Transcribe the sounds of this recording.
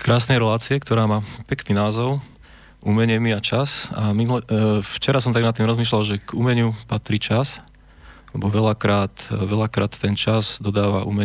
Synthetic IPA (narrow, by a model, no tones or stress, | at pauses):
kɾaːsnɛjɾɛlaːt͡siɛkt̪ɔɾaːmaːpɛkniːnaːzɔʊ | ʔumɛɲɪɛmiat͡ʃasamilft͡ʃɛɾasɔmt̪aɡnat̪ːiːmɾɔzmiːʃ̬lalʒɛɡumɛɲupat̪ɾiːt͡ʃas | lɛbɔʋɛlakɾaːt̪ʋɛlakɾaːt̪ːɛnt͡ʃazd̪ɔd̪aːʋaʔṵːmɛɲ